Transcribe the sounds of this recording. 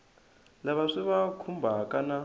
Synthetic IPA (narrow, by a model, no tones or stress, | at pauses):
laβaʂiβakʰumbʱakʼana